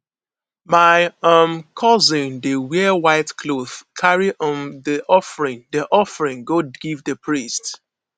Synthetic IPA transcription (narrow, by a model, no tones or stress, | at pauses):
maɪʌmkʰɔzɪ̃ndəwɛwaɪtkʰloð̥kʰaɹiʔɔ̃ndiʔɔfɹĩndiʔɔfɹĩŋɡoɡivdəpʰɹist